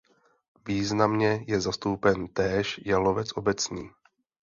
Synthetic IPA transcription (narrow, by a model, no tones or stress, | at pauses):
viːznamɲɛjɛzast̪owpɛnt̪ɛːʃjalovɛt͡sʔo̞bɛt͡sɲiː